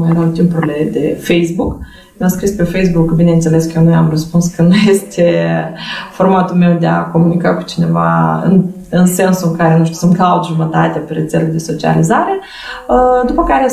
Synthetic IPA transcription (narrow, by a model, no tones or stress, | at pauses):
majeɾawt̪impuɾile̞d̪e̞fejsbuk | mʲamskɾispe̞fejsbukːbine̞ɨnt̪se̞le̞skəjonujamrəspunskənnujest̪ʰe | fo̞rmat̪ulme̞wd̪ea̰ko̞munikaku̥t͡ʃine̞va̰ɨ̰n | ɨnse̞nsuɨŋkaɾe̞nuʃt̪u̥sɨnt̪kaut̪ʒumət̪at̪eapeɾe̞t̪seled̪e̞so̞t͡ʃia̰lizaɾe̞ | d̪upəkaɾe